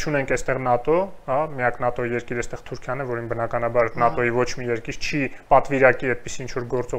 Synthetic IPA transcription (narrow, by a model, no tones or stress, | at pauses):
t͡ʃʰunɛŋkʰɛst̪ɛʁnɑt̪ɔhɑmijɑknɑt̪ɔijɛɾkiɾɛst̪ɛʁt̪ʰuɾkʰjɑnɛvɔɾinbənɑkɑnɑbɑɾnɑt̪ɔjivɔt͡ʃʰmijɛɾkiɾt͡ʃʰipɑt̪viɾɑkiɛd̪̚pisiint͡ʃʰvɔɾɡɔɾt͡sɔ